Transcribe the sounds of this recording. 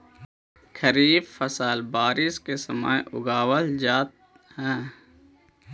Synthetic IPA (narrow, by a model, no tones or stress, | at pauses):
kʰəɾiːbfəsaːlbaːɾiskesəma̰ːjʊ̰ɡaːwəld͡ʒaːt̪̚ | ɦɛ̃ː